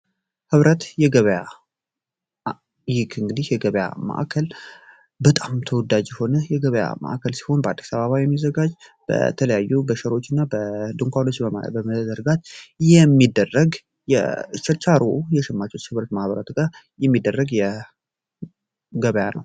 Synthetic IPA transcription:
hɨβɾət̪jɛɡəβəja | jɪkʰɨŋɡɨd̪ihjɛɡəβja̰ma̰ʔa̰kʰəl | bət̪ʼamt̪ʰəwɔd̪ad͡ʒjɛho̞nəjɛɡəβəja̰mə̰ʔa̰kʰəlsi̥ho̞nbəʔa̰d̪ːisaβəβajɛmːizəɡad͡ʒ | b̥ə̰t̪ʰələjajːubəʃəɾo̞t͡ʃːɪnːabəd̪uŋkʷalot͡ʃːəbəməd̪əɾɡat̪jɛmːid̪ːərːəɡ | jɛ̰ɨt͡ʃːɛt͡ʃaɾojɛʃɛmːat͡ʃːut͡ʃːhɨβɾət̪mahβəɾət̪ɡa | jɛmːid̪ːərːəɡjɛ | ɡəβəjanə̰w

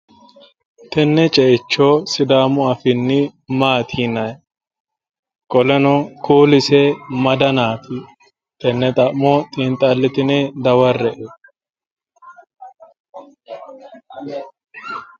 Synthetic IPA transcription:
t̪ɛnːɛt͡ʃʼɛt͡ʃːoːsɪd̪aːmʊɐfɪnːɪmaːt̪ʰiːnɐj | kʼɔlɛnɔkʰuːlɪsɛmɐd̪ɐnaːt̪ɪ | t̪ɛnːɛt̪ʼɐʔmɔt̪ʼiːnt̪ʼɐlːɪt̪ɪned̪ɐwɐrːɛʔɛ

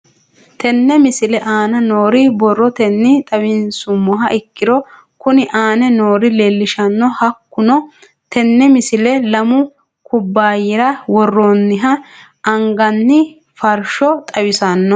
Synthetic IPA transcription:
t̪ɛnːɛmɪsɪlɛʔaːnɐnoːɾɪbɔrːɔt̪ɛnːɪt̪ʼɐwɪnsʊmːɔɦɐʔɪkːɪɾɔ | kʊnɪʔaːnɛnoːɾɪleːlːɪʃɐnːɔhɐkːʊnɔ | t̪ɛnːɛmɪsɪlɛlɐmʊ | kʊbːaːjɪɾɐwɔrːonːɪɦɐ | ɐŋɡɐnːɪ | fɐɾʃɔt̪ʼɐwɪsɐnːɔ

